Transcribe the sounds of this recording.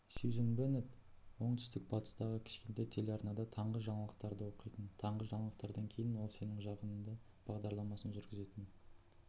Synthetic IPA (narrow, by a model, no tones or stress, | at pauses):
sizenbenet̪ | wo̞ɴt̪ʏ̥st̪ɪk̚bɑt̪ə̥st̪ɑʁəkʲʰɪ̥ʃkʲent̪ejt̪ʰe̞lɑɾnɑd̪ɑt̪ʰɑɴʁəʒɑɴɑlˠəqt̪ɑɾd̪əwo̞qijt̪ənt̪ʰɑɴʁəʒɑɴɑlˠəq̚t̪ɑɾd̪ɑŋkʲʰe̞jɪnwo̞lˠse̞nɪŋʒɑqənənd̪ɑ | b̥ɑʁd̪ɑɾlˠɑmɑsənʒʏɾɡʲɪze̞t̪ɪn